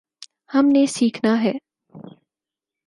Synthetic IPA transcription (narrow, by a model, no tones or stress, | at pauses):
hɐmnesiːkʰnaɦɛː